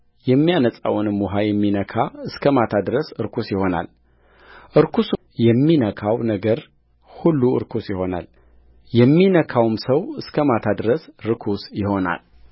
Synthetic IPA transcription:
jɛmːijanəsʼa̰wnɨmːɔɦajɛmːinəkʰaɨskʰəmat̪ʰad̪ɾəsɨɾkʰusjɪho̞na̰l | ʔɨɾkʰus | jɛmːinəkʰawnəɡəɾ | hulːuɨ̰ɾkʰusjɪho̞na̰l | jɛmːinəkʰawmsəwɨskʰəmat̪ʰad̪ɾəsɾɨkʰusjɪho̞na̰l

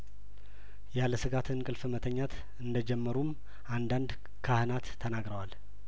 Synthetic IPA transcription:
jaləsɨɡat̪ʰɨnkʼɨlfɨmət̪ʰəɲːat̪ʰ | ɨnd̪əd͡ʒɛmːəɾum | ʔand̪and̪ | kʰahɨnat̪ʰːənaɡɾəwal

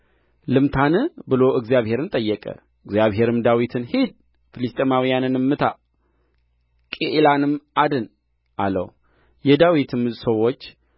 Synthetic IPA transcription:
lɨmt̪ʰanɨbɨlo̞ʔɨɡzijaβhe̞ɾɨnt̪ʼəjːɛkʼə̰ | ɨɡzjaβɦe̞ɾɨmd̪awit̪ʰɨnhid̪̚ | fɨlɨst̪ʼemawijanɨnɨmːɨt̪ʰa | kʼeʔlanɨmʔad̪ɨn | ʔalə̰w | jɛd̪awit̪ʰɨmɨzsəwo̞t͡ʃː

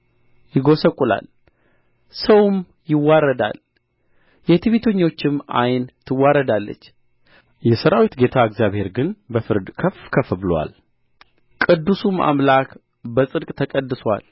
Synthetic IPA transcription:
jɪɡo̞səkʼːula̰l | səwm | jɪwːaɾəd̪a̰l | jɛt̪ʰɨβit̪ʰəɲːo̞t͡ʃːɪma̰jnt̪ʰɨwːaɾəd̪alːə̰t͡ʃː | jɛsəɾawit̪ɡe̞t̪ʰaəɡzjaβhe̞ɾɡɨnbəfɨɾd̪kʰəfkʰəfbɨlwa̰l | kʼɨd̪ːusumʔa̰mlak | bəsʼɨd̪kʼt̪ʰəkʼəd̪ːɨswa̰l

